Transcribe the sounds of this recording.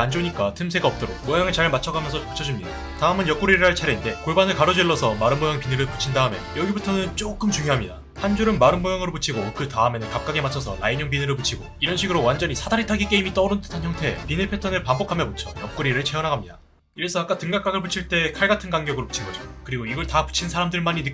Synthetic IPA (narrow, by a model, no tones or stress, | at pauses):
and͡ʑoɲik͈atʰɯms̬ʰe̞ɡaʌp̚t͈ʌɾok̚mojaŋɯɭt͡ɕaɭmat͡ɕʰʌɡamjʌnsʰʌpu̥t͡ɕʰʌd͡ʑumɲida | taɯmɯnjʌp̚k͈uɾiɾɯɭɦaɭt͡ɕʰaɾeinde̞koɭbanɯɭkaɾʌd͡ʑwiɭːʌsʰʌmaɾɯnmojaŋpinɯɡɯɭpu̥t͡ɕʰindaɯmḛnjʌɡibutʰʌnɯnt͡ɕ͈ok͈ɯmt͡ɕuŋjoɦamɲida | hand͡ʑuɾɯnmaɾɯnmojaŋɯɾoput͡ɕʰiɡokɯtaɯme̞nɯnkap̚k͈aɡemat͡ɕʰʌsʰʌnaiɲʌŋbinɯɾɯɭput͡ɕʰiɡoiɾʌnɕʰiɡɯɾowand͡ʑʌɲisʰadaɾitʰaɡik͈eimit͈ʌɾɯntʰɯ̥tʰançjʌŋtʰe̞pinepʰe̞tʰʌnɯɭpambʌkʰamjʌmpot͡ɕʰʌjʌp̚k͈uɾiɾɯɭt͡ɕʰe̞ʌnɦaɡamɲida | iɾesʰʌak͈atɯŋɡak͈aɡɯɭput͡ɕʰiɭt͈e̞kʰaɭɡatʰɯnɡaŋɡjʌɡɯɾopu̥t͡ɕʰinɡʌd͡ʑo̰kɯɾiɡoiɡʌɭtapu̥t͡ɕʰinsʰaɾamdɯɭmaɲinɯk͈